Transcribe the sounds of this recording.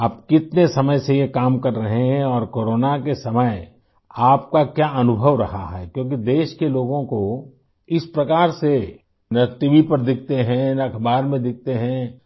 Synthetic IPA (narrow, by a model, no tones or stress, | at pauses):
aːpkɪt̪nesɐməjsejekaːmkɐɾːɐɦẽɦɦɛ̃ɔːɾkoːɾoːnakesɐməj | aːp̚kakjaːʔɐnʊbʱəʋɾɐɦa̰ɦɛːkjõːk̬id̪eːʃkeloːɡõko | ɪspɾɐkaːɾse | nɐʈiʋipɐɾd̪ɪk̚ʰt̪eɦɛ̃nɐkʰɐbaːɾmẽd̪ɪk̚t̪eɦɛ̃